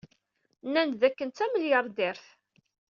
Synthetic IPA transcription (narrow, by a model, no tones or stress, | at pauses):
nːænðækːənt̪æməljəɾˤd̪ɪɾθ